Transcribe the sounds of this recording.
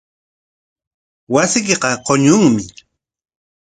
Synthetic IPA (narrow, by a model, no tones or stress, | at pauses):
wasɪk̬eqɑqoɲʊŋmɪ